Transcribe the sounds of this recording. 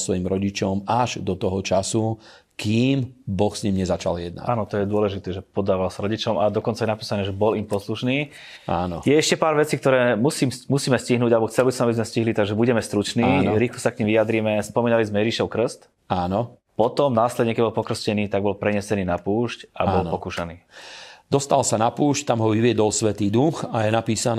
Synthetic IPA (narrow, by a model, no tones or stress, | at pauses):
sʋɔjimɾɔɟit͡ʃɔmaʒd̪ɔt̪ɔɦɔt͡ʃasu | kiːmbɔxsɲimɲɛzat͡ʃa̰ljɛd̪na̰aːnɔt̪ɔjɛd̪ʊɔlɛʒit̪ɛːʒɛpɔd̪aːʋalsaɾɔɟit͡ʃɔmad̪ɔkɔntt͡sajɛnapiːsanɛːʒɛbɔlimpɔsluʃniː | a̰ːnɔjɛɛʃcɛpaːɾʋɛt͡sikt̪ɔɾɛːmusiːmmusiːmɛsciɦnuːɟalɛbɔxt͡sɛlbisɔmabizmɛsciɦlit̪aɡʒɛbuɟɛmɛst̪ɾut͡ʃniːɾiːxlɔsakɲimʋijad̪ɾiːmɛspɔmiːnalizmɛjɛʒiʃɔʊkr̩st̪ | aːnɔ | pɔt̪ɔmnaːslɛd̪ɲɛkɛbɔlpɔkr̩scɛniːt̪aɡ̚bɔlpɾɛɲɛsɛniːnapuːʃca̰bɔlnpɔkuːʃaniːd̪ɔst̪alsanapuːʃct̪amɦɔʋiʋɪɛd̪ɔlsʋɛt̪iːd̪uxajɛnapiːsan